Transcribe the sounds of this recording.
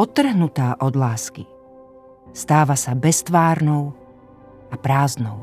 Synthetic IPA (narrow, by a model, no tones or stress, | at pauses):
ɔt̪ːr̩ɦnut̪aːʔɔd̪laːski | st̪aːʋasabɛst̪ʋaːɾnɔʊ | apɾaːznɔʊ